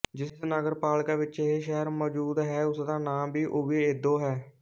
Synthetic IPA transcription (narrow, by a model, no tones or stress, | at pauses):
d͡ʒɪsd̪nəɡəɾpaːlkãːʋɪt͡ʃeɦeːʃɛɦəɾmɔːd͡ʒuːd̪ɦɛːʊsd̪ãːnãːbʱiːʔoʋeeːd̪õːɦɛː